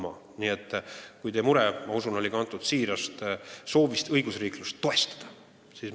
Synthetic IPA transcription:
mɑ | niːet̪ːˑkujt̪eːmuɾɛmɑusuno̞lʲiɡɑɑnt̪ːˑud̪̥siːɾɑst̪so̞ːvist̪ɤjɡusriːklust̪ːo̞e̞st̪ɑ̥d̪̥ɑ̥ | sis

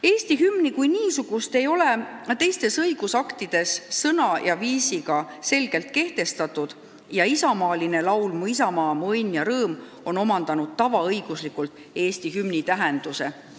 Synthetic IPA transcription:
e̞ːst̪iɦymnikujniːsuɡ̥ust̪e̞jo̞le̞t̪e̞jst̪e̞sɤjɡ̥usɑkt̪id̪̥e̞sːɤnɑjɑviːsiɡɑ | se̞lɡ̥e̞lt̪̚ke̞ht̪e̞st̪ɑt̪ːˑud̪̥ | jɑisɑmɑːline̞lɑwlmuis̬ɑmɑːmɤjnjɑɾɤːm | o̞no̞mɑnd̪ɑnud̪̥̚t̪ːɑvɑɤjɡ̥uslikːˑult̪ˑ | e̞ːst̪iɦymnit̪æɦe̞nd̪̥use̞

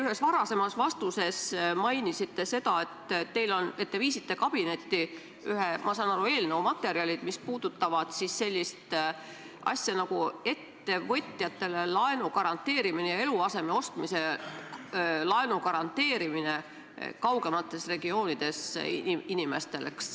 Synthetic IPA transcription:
yɦesvɑɾɑse̞mɑsvɑst̪use̞smɑjnisit̪ːe̞se̞d̪̥ɑe̞t̪t̪ːe̞jlo̞ne̞t̪ːeviːsit̪ːe̞kɑb̥ine̞t̪ːi | yɦe̞mʔɑsɑnɑɾue̞ːlneumɑt̪ːˑe̞ɾiɑlʲid̪̥mispuːd̪̥ut̪ːˑɑvɑd̪̥sisːe̞lʲːist̪ | ʔɑ̰sʲjɑnɑɡue̞t̪ːe̞vɤ̞t̪ʲːˑjɑt̪ːe̞le̞lɑenukɑɾɑnt̪ːe̞ːɾiminejɑe̞luɑse̞me̞o̞st̪mise̞ | lɑenukɑɾɑnt̪ːˑe̞ːɾimine̞ | kɑwɡ̥e̞mɑt̪ːˑe̞sre̞ɡio̞ːnid̪̥e̞sinime̞st̪e̞lḛks

